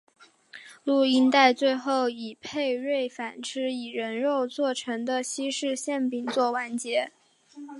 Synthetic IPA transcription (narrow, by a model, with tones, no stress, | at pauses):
lu˥˩i˥nt̪a˥˧ɪt͡swe˥˧ɪxo˥˩ʊi˨˩pʰe˥˧ɪɻe˥˩ɪfa˨˩nʈ͡ʂʰɻ̩˥i˨˩ɻə˧˥nɻo˥˧ʊt͡swɔ˥˩ʈ͡ʂʰɤ˧˥ŋd̪ə˧ɕi˥ʂɻ̩˥˧ɕjɛ˥˩npi˨˩ŋt͡swɔ˥˧wa˥˩nt͡ɕjɛ˧˥